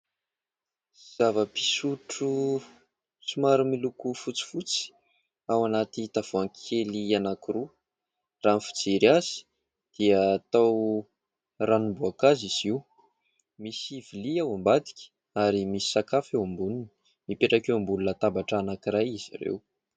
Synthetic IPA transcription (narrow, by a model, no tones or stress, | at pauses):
z̥avəpi̥suʈ͡ʂu | sumaɾumilukufut͡si̥fut͡si̥ | awanat̪it̪av̥oaŋkʰelianakiɾu | ranfu̥t͡seɾiaz̥i̥ | d̪̥iəːt̪aw | ranumbuakaziz̥iw | misiviliawambad̪i̥kʲi̥ | aɾimisi̥sakafewambununi̥ | mipeʈ͡ʂakewmbulunət̪ambaʈ͡ʂanakiɾajizḭɾḛw